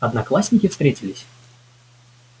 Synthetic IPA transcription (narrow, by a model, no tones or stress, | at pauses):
ɐd̪nɐklˠasʲnʲɪkʲɪfst̪ɾʲetʲɪlʲɪsʲ